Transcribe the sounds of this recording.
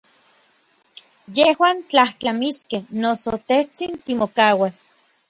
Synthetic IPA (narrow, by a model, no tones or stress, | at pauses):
jehwaːnt͡ɬaht͡ɬamiskehnosot̪eht͡sint̪imokaːwas